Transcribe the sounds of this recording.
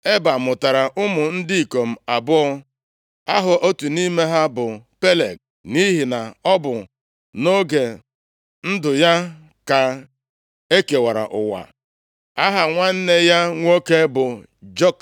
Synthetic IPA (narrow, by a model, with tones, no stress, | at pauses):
e˦ba˨mʊ˨ta˨ɾa˨ʔʊ˦mʊ˨n̩˦dɪ˦i˨ko˨m̩˨a˨bʊ˦ɔ˦ | a˦ɦʊ˨ʔo˦tu˨ni˦me˦ɦa˦bʊ˨pe˦le˨ɡ̚ | ni˦ɦi˨na˨ɔ˦bʊ˨ | no˦ɡe˨ | n̩˦dʊ˨ja˦ | ka˨ | e˦ke˨wa˨ɾa̰˨ʔʊ̰˨wa̰˨ | a˦ɦa˨ŋʷa˦n̩˦ne˦ja˦ŋʷo˦ke˦bʊ˨ | d͡ʒo˦k